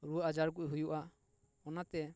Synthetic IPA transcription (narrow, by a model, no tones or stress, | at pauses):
ɾuad͡ʒaɾɡuʔɦujuʔa | ɔnat̪ɛ